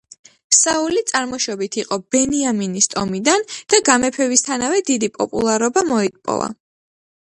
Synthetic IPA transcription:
saulit̪sʼaɾmɔʃɔbit̪ʰiqʼɔb̥ɛniaminist̪ʼɔmid̪and̪̥aɡamɛpʰɛvist̪ʰanavɛd̪id̪ipʼɔ̰pʼṵlˠaɾɔbamɔit̪̚ʼpʼɔ̰va̰

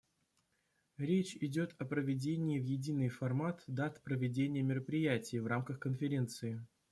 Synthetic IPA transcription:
ɾʲet͡ɕɪdʲo̞t̪ʰɐpɾəvʲɪdʲenʲɪːvjɪdʲinɨjfɐrmat̪d̪at̪pɾəvʲɪdʲenʲɪjəmʲɪɾəpɾʲɪjætʲɪjvramkəxkənfʲɪɾʲe̞nt̪sɨɪ

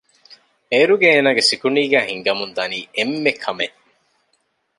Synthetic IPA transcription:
eɾuɡeeːnaːɡesikuniːɡæːhiŋɡɐmund̪ɐniːemːekʰːɐme

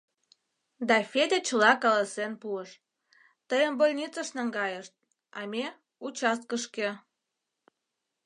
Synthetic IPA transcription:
d̪ɑfed̪ʲet͡ɕəlɑkɑlɑsenpuəʃ | t̪əjəmbolʲnʲit͡səʃnɑŋɡɑjəʃt̪̚ | ɑme | ut͡ɕɑst̪̚kəʃke

